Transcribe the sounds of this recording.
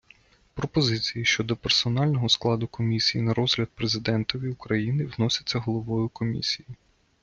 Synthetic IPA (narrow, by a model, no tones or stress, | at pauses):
pɾɔpɔzɪt͡sʲijiʃt͡ʃɔd̪ɔpersɔnɑlʲnɔɦɔsklˠɑd̪ʊkɔmʲisʲijinɐɾɔzɦlʲɐd̪̚pɾezɪd̪ɛnt̪ɔʋʲiʊkɾɐjinɪwnɔsʲɐ̥t͡sʲːɐɦɔlˠɔʋɔjʊkɔmʲḭsʲiji